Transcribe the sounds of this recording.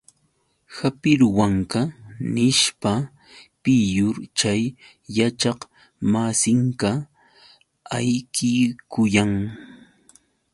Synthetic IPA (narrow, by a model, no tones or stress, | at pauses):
hapɪɾwaŋkanɪʃpa | pɪjʊɾt͡ʃajː | at͡ʃɑq | masɪŋka | ajkɪkʊjaŋ